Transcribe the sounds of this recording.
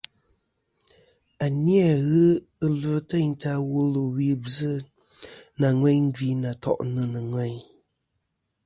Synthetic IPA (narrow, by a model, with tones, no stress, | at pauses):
a˨ni˦a˨ɣɨ˦ | ɨ˦lɨ˦tə˦˨ɲ˦ta˦wu˦lɨ˨wi˦bzɨ˦ | na˨ŋwɛ˦ɲ˦ɡi˦na˨tɔ̰˨ʔnɨ˦nɨ˨ŋwɛ˦˨ɲ